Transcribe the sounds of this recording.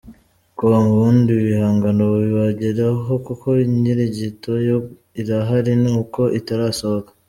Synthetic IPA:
kuamuβuːndiβihaːŋɡanoβiwaɟeɾaɦo̞kuko̞iɲiɾiɟito̞jo | iɾaɦaɾinuːko̞ʔitaɾaːso̞βokḁ

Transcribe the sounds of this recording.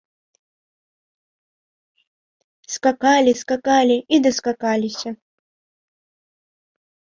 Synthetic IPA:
skakalʲɪskakalʲɪid̪əskakalʲɪsʲə

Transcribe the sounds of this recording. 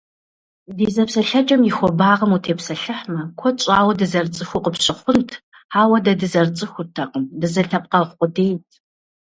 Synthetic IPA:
diːzɐpsɐɬɐd͡ʒʼɐmjɪxʷɔbaːʁɐmutʰeːpsɐɬɨħmɐkʷʰɔt͡ʃʼaːwɐdɨzɐrt͡sʼɨxʷʊqʼəpɕɪχʷʊntʰ | aːwɐdɐdɨzɐrt͡sʼɨxʷʊrtʰɐqʼəmdɨzɐɬɐp̚ʼqɐχʷqʷʼʊdeːjtʰ

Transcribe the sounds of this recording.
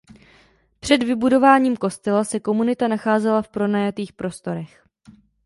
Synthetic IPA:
pr̥ɛdvɪbudo̞vaːɲiːmkost̪ɛlasɛko̞munɪt̪anaxaːzɛlafpɾo̞najat̪iːxpɾo̞st̪o̞ɾɛx

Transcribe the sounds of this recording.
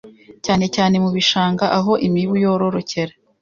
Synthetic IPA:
caːne̞caːne̞muβiʃaːŋɡaʔaɦo̞ʔimiβujoɾo̞ɾo̞ce̞ɾa

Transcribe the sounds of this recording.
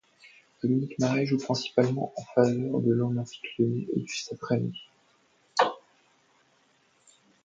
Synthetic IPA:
dɔminikmaʁɛʒupχɛ̃si̥palmɑ̃ʔɑ̃favœʁd̪əlɔmɑ̃fi̥kləneʔḛd̪ysapχɛmi

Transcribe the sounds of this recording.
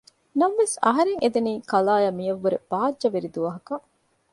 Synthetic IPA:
nɐmʋesɐ̰ɦɐɾeŋʔed̪eniːkɐlaːjɐmijɐʋːuɾeb̥aːdd͡ʒɐʋeɾid̪uʋɐɦɐkɐ

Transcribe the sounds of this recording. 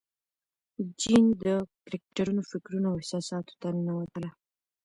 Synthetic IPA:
d͡ʒind̪əkɾek̚ʈaɾunofɪkɾunoawhɪsɑsɑt̪o̥t̪anawat̪əla

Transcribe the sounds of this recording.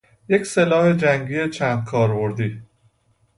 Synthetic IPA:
je̞cse̞lɒːhe̞d͡ʒæŋɟiːet͡ʃʰænd̪̥̚kʰɒːɾbo̞ɾd̪iː

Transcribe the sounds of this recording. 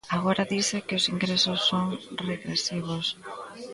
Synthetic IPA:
aɣoɾaðisɪkɪʊsiŋɡɾesʊsːoŋreɣɾesiβ̞ʊs

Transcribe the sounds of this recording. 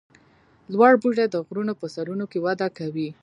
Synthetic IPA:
lwɑɽbuʐed̪əɣɾunopəsaɾunokewad̪akawi

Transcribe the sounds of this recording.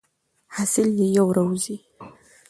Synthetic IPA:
hasɪljejawɾawzi

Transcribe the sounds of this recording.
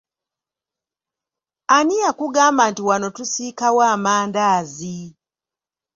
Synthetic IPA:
anijakuɡaːmbantiwano̞tusikawaːmaːndaːzi

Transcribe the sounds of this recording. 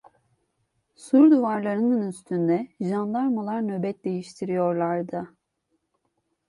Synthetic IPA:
suɾd̪uvaɾlˠaɾɯnɯnyst̪ʰynd̪ɛʒand̪aɾmalˠaɾnøbɛt̪̚d̪e̞jiʃt̪ʰiɾijo̞ɾlˠaɾd̪ɯ

